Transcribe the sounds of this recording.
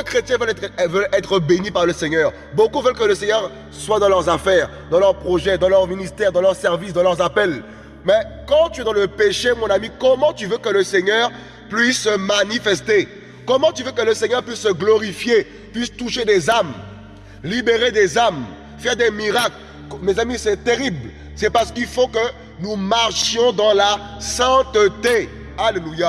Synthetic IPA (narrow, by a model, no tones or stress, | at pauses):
kəkχet̪jɛ̃vəlvəlɛt̪χəbenipaʁləseɲœːʁ | bokuvœlkələseɲœʁ | swad̪ɑ̃lœʁzafɛːʁ | d̪ɑ̃lœʁpχɔʒɛd̪ɑ̃lœʁminist̪ɛʁd̪ɑ̃lœʁsɛʁvisd̪ɑ̃lœʁzapɛl | mɛkɑ̃t̪yɛd̪ɑ̃ləpeʃemɔ̃namikɔmɑ̃t̪yvøkələseɲœːʁ | pɥisːəmanifɛst̪e | kɔmɑ̃t̪yvøkələseɲœʁpɥisːəɡlɔʁifje | pɥist̪uʃed̪ezam | libeʁed̪ezam | fɛʁd̪emiʁakl | mezamisɛt̪eʁibl | sɛpaʁsə̥kilfokə | numaʁʃjɔ̃d̪ɑ̃lasɛ̃t̪ət̪e | aleluja